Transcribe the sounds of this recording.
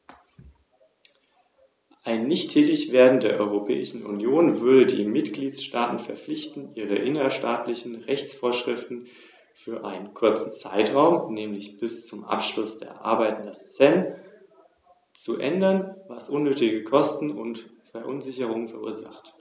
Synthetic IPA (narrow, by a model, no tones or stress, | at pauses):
ʔaɪnːɪçtʰːɛːtɪçv̥eːɐdn̩deːɐʔɔʏʁopʰɛ̰ːɪʃn̩ʔṵnjoːnvʏɐɾədḭːmɪtɡ̥liːtsʃtaːtn̩fɛɐflɪçtn̩ʔiːʁəʔɪnɐʃtaːtlɪçn̩ʁɛçt͡sfoːɐʃʁ̥ɪftn̩ | fyːɐʔaɪnənkʰʊɐt͡sn̩t͡sa̰ɪtʁ̥aʊmnɛːmlɪçb̥ɪst͡sʊmʔa̰pʃlʊsd̥ḛːɐʔa̰ɐbaɪtn̩dɐst͡sɛn | t͡suʔɛ̰ndɐnvasʔʊnːøːtɪɡəkʰɔstn̩ʊntfɛɐʔʊnzɪçəʁ̞ʊŋənfɛɐʔṵːɐza̰χt